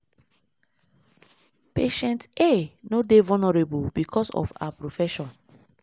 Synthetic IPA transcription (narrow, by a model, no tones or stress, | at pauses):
peʃɛ̃ntenodevɔnɔɹebubikʰɔsɔ̰fa̰apɹofɛʃɔ̃n